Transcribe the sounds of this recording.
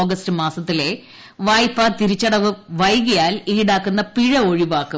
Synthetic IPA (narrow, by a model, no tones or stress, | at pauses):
oːɡɐstɨmaːsɐt̪ːile | ʋaːjpːaːt̪iɾit͡ɕːɐɽɐʋɨʋɐjɣɐjaːliːɽaːkːunːɐpiɻɐo̞ɻiʋaːkːu